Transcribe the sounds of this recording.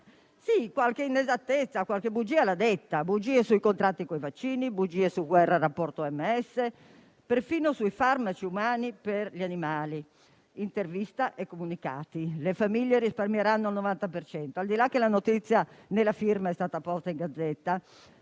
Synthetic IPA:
sikwalk̟einezat̪ːet̪sːakwalk̟ebud͡ʒiːalad̪ɛt̪ːabud͡ʒiːesuikont̪ɾat̪ːikoivat͡ʃːiːnibud͡ʒiːesuɡwɛrːaɾapːɔrt̪oɛmːeɛsːe | peɾfiːnosuifarmat͡ʃiumaːniperʎianimaːli | int̪ervist̪aʔekːomunika̰ːt̪ilefamiʎːeɾisparmjeɾanːoalnovant̪apert͡ʃɛnt̪oald̪ilakːelanot̪it̪sːjanelafiɾmaɛst̪aːt̪apɔst̪aiŋɡad̪zːɛt̪ːa

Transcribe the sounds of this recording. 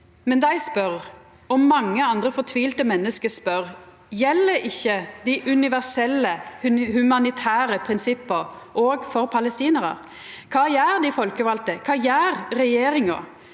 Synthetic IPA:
mɛnd̪æɪspœɾ | ɔmːɑŋːəɑnd̪ɾəfɔt̪ʰʋiːlt̪əmɛnːəskəspœʁ | jɛlːəɾɪçːəd̪æɪʔʉnɪʋæɾsɛlːəhʉmɑnɪt̪ʰæːɾəpʰɾɪnsɪpːəɾ | ʔoːɡfɔɾpʰɑləst̪iːnəɾə̰ɾ | kʰɑːjæːɾd̪ɪfɔlkəʋɑlt̪əkʰɑːjæːɾɾɛjeːɾɪŋɑ̰

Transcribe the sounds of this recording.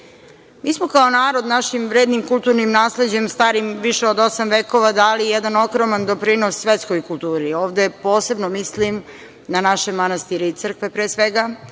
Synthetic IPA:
miːsmo̞kaonaːɾo̞d̪naʃimʋɾeːd̪nimkult̪uːɾnimnaːsle̞d͡ʑe̞mst̪aːɾimʋiʃeod̪o̞samʋeːko̞ʋad̪aːlijed̪ano̞kɾomand̪o̞pɾinosːʋet̪skojkulˠt̪uːɾioːʋd̪epo̞ːse̞bnomislim | nanaʃemanast̪iɾit̪sər̩kʋepɾeːsʋeɡa

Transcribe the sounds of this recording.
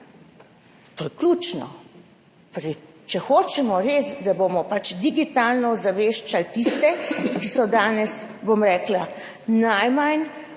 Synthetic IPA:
t̪oːjɛkluːt͡ʃnɔ̰ | pɾi | t͡ʃɛxoːt͡ʃɛmɔɾeːsd̪abomɔpat͡ʃd̪iɡit̪aːlnɔzaʋeːʃt͡ʃalt̪ist̪ɛkisɔd̪aːnɛsbomɾɛːkla | najmajn

